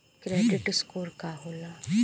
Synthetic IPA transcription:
kɾɛɖɪʈskoːɾkaɦoːla

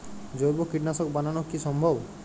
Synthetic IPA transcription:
d͡ʒojbokiʈnasɔkbananɔkisɔmbʱɔb

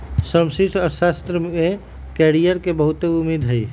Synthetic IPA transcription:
səmsit̪ʰɔɾsast̪ɾəe | kɛɾijəɾkebəɦut̪eumid̪ʱɦəj

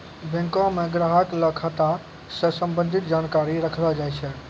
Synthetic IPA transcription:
bẽŋkõmeɡɾaɦəkləkʰat̪a | səsəmbənd̪ʱit̪d͡ʒaːnkaɾiɾəkʰləd͡ʒajt͡ʃʰɛ

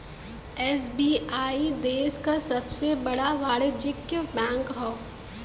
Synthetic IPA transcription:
ɛːsbiːaːid̪eːskasɐbsebɐɽaʋaːɽed͡ʒɪkːjəbɛ̃ːŋkɦɔː

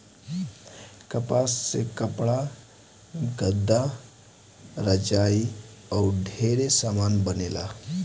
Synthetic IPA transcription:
kəpast͡sekəpɭa | ɡəd̪ːa | ɾəd͡ʑaiawɖʱeɾesamanbənela̰

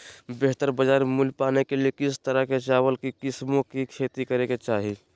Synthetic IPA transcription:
beɦt̪əɾbəd͡ʒaːɾmulpanekeliekɪst̪əɾəket͡ʃaːwəlkikɪsmõkikʰet̪ikəɾeket͡ʃaɦi

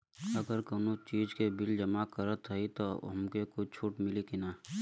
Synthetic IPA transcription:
əɡəɾkoːnot͡ʃiːd͡ʒkebɪld͡ʒəmakəɾət̪ʰəit̪oɦə̰mkekʊt͡ʃʰuːʈmɪlikinaː

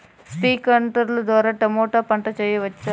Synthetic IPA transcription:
sʈiːkɐɳʈɐɾld̪ʋaːɾaʈɐmoːʈapɐɳʈɐt͡ʃɐjeʋɐtːt͡ʃːɐ

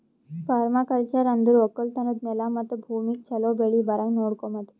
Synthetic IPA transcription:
faɾmakalt͡ɕaɾand̪ʱuɾʋəkəlt̪anət̪̚melamət̪əbʱumik̚t͡ɕʰəlɔbʱeɭibaɾãŋknoɽkɔmət̪

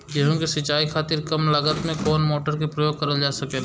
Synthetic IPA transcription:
d͡ʒeɦõkesɐt͡ʃːaːikʰaːt̪ɪɾkɐmlaːɡət̪mẽkɔːnmoːʈəɾkipɾəjoːɡ̚kɐɾəld͡ʒaːsɐken

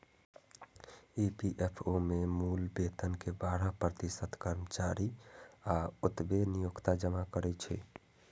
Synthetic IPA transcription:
ipiʔepʰomemulbet̪ənkebaɽ̤əpɾət̪isət̪kəɾmət͡ʃaɾiaut̪benijukt̪ad͡ʒəmakəɾɛt͡ʃʰɛ̰

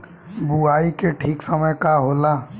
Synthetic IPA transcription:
buaikeʈʰiːksəməjkaɦola

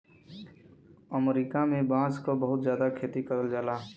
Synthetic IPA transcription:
əmɾiːkamẽbãːskobəɦʊt̪zjaːd̪akʰeːt̪ikəɾəld͡ʒaːlaː

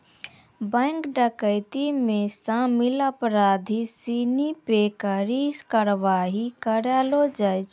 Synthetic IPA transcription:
bɛ̃ːkɖəkəɪt̪imẽsamɪləpɾaːd̪ʱisinipekəɾikəɾʋaːɦikəɾaːlod͡ʒat͡ʃ

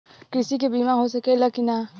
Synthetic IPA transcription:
kɾɪsik̬ebiːmãɦosɐkelɐkina

